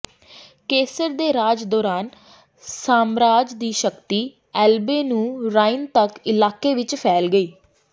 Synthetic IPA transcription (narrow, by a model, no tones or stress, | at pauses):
keːsəɾd̪eːɾaːd͡ʒd̪ɔːɾaːn | saːmɾaːd͡ʒd̪iːʃəkt̪iː | ɛːlbeːnũːɾaːɪnt̪əkɪlaːkeːʋɪt͡ʃpʰɛːlɡəiː